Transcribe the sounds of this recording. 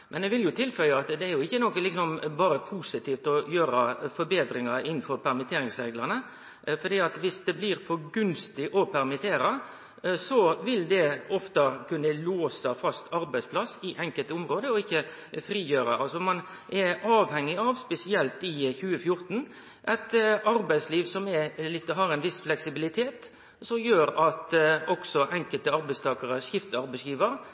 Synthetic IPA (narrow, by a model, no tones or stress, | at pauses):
mʔɛnɛʋɪljʊt̪ʰɪlfœləɑt̪d̪ɛæɾjʊɪçːənoːkːəlɪksɔmbɑːɾəpʰuːsɪt̪ʰiːft̪ɔjøːɾɑfɔɾbeːd̪ɾɪŋɑɾɪnn̩fɔɾpʰæɾmɪt̪ʰeːɾɪŋsɾeːɡlɑnə | fɔd̪iːɑt̪ʋɪsd̪ɛblɪɾfɔɾɡʉnst̪ɪʔɔpʰæɾmɪt̪ʰeːɾɑ | sɔʋɪld̪ɛɔft̪ɑkʉnːəloːsɑfɑst̪ɑɾbæɪspʰlɑsːɪʔɛŋkəlt̪əʊmɾoːd̪əɔɪçːə | fɾiːjøːɾə̰ʔɑlsɔmɑnʔɛɑːʋhɛŋːɪɑʋspɛsɪɛlt̪ɪçʉːəfjʊɾt̪n̩ | ʔɛt̪ɑɾbæɪsliːʋsɔmɛlɪt̪ːəɦɑɾɛɪnʋɪsflɛksɪbɪlɪt̪ʰeːt̪ | sɔmjøːɾɑt̪ɔksɔʔɛŋkəlt̪əɑɾbæɪst̪ʰɑːkəɾəʂɪft̪əɑɾbæɪsjiːʋəɾ